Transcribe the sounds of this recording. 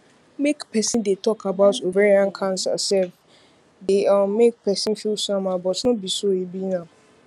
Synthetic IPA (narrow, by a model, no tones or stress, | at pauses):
mekpɛsɪ̃ndetɔkʰabaʊtoveiãnkʰãnsa̰sɛ | deãmek̚pɛsɪ̃nfilsãmãbɔtnɔ̃bisoebinã